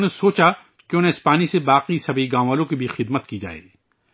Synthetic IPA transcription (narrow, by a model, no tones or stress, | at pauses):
nẽsoːt͡ʃa | keʊnɦẽɪspaːnisebaːqisɐbʱiɡãːaːlõkibʱixɪd̪mət̪kid͡ʒa̰ːḛː